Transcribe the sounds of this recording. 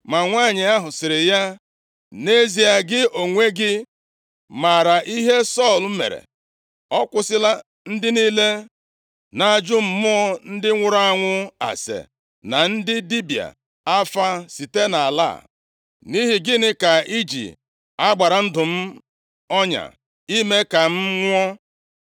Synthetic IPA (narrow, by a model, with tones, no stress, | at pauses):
ma˨ŋʷa˦˨ɲɪ˨a˦ɦʊ˨sɪ˨ɾɪ˨ja˦ | ne˦zi˨a˨ɡɪ˦o˨ŋʷe˦ɡɪ˦ | ma˨ɾa˨ʔi˦ɦe˦sɔ˦˨l̩˨˦mḛ˨ɾḛ˨ | ɔ˦kʷʊ˨sɪ˦la˦ | n̩˦dɪ˦niː˦le˦ | na˨d͡ʒʊ˦m̩˨mʊ˦ɔ˦n̩˦dɪ˦ŋʷʊ˦ɾa˦a˦ŋʷʊ˦a̰˨sḛ˨ | na˨n̩˦dɪ˦di˦bi˨a̰˨ | a˦fa˦si˨te˦na˨la̰ː˦˨ | ni˦ɦi˨ɡɪ˦nɪ˦ka˨i˦d͡ʒḭ˨ | a˦ɡ͡ba˨ɾa˨n̩˦dʊ˨m̩˦ | ɔ˦ɲa̰˨ | i˦me˦ka˨m̩˦ŋʷ˦ɔ˦